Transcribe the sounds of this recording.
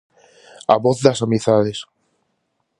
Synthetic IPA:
a̰βoθðasamiθaðes

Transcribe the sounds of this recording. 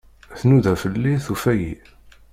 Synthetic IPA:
θnuðæfəlːinθufæjḭ

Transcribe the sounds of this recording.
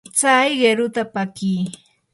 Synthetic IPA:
t͡sajɢeɾʊt̪apakiː

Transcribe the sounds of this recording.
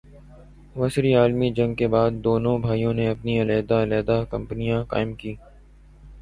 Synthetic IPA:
ʋɐsɾiaːlmid͡ʒɐ̃ŋɡ̚kebaːd̪̚ːoːnõbʱaːijõneɐpniɐleːd̪aleːd̪akɐ̃mpnijãka̰ːɪmkiː

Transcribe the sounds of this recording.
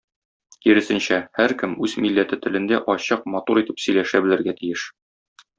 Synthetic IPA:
kiɾɘ̆sɘ̆nɕæhæɾkɘmʉzmilːæt̪ɘt̪ɘ̆lɘ̆nd̪æʔɒɕɤq̚mɒt̪uɾit̪ɘpsɵ̆jlæʃæbɘ̆lɘ̆ɾɡæt̪ijɘʃ

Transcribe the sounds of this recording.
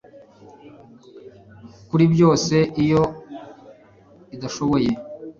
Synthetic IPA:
kuɾibjo̞ːse̞ʔijo | idaʃoβoje̞

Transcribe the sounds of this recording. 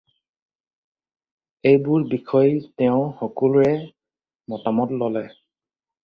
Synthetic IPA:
ejbʊɹbikʰɔjtɛʊ̃xɔkulʊɹɛ | mɔtamɔtlɔlɛ

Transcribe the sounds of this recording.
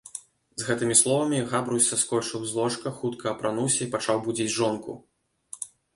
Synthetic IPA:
zɣɛt̪ɨmʲislˠɔvɐmʲiɣabɾusʲɐskɔt͡ʂɨwzlˠɔʂkɐxut̪kʰɐːpɾanuwsʲɐipat͡ʂawbud͡zʲid͡zʲʐɔnkṵ

